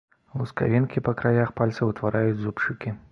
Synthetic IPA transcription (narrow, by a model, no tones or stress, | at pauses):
vˠuska̰vʲinkʲipɐkɾajaxpalʲt̪sɐwt̪vaɾajud͡zʲzupt͡ʂɨkʲi